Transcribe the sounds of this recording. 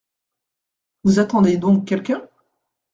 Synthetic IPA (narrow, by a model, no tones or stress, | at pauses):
vuzat̪ɑ̃d̪ed̪ɔ̃kʲːɛlkʲɛ̃